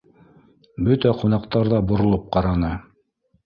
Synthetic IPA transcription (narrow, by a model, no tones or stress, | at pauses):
bɵt̪æqunɑqt̪ɑɾðɑbŏɾŏlˠɤp̚qɑɾɑnɤ